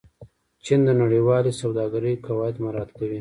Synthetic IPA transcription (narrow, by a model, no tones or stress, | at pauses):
t͡ʃind̪ənaɽiwɑlisawd̪ɑːɡaɾəkawɑːjat̪maɾɑt̪kawi